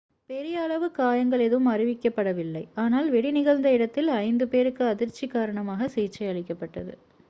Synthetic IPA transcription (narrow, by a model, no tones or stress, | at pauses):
pɛɾɪjɐːɭɐʋɯkːaːjɐŋɡɐɭɛðɯmɐrɪʋɪkːɐpːɐɽɐʋɪlːɐɪaːnaːlʋɛɽɪnɪɣɐlnd̪ɐɪɽɐt̪ːɪlɐɪnd̪ɯpeːɾɯkːɯɐðɪɾt͡ʃːikːaːɾɐɳɐmaːɣɐsiːt͡ʃːɐɪɐɭɪkːɐpːɐʈːɐ̰ðɯ̰